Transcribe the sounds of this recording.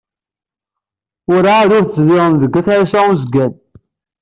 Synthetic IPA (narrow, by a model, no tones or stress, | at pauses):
ʊɾaɾʊɾθəzðɪʁəmðəɡːæθæisæuzəɡæn